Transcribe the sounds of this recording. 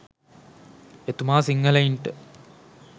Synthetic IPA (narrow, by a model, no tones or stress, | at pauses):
et̪umaːsiŋɡɐlɐiɳʈɨ